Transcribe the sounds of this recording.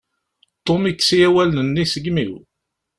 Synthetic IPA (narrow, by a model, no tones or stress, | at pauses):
t̪ˤːomiksijæwælnənːisəɡmiw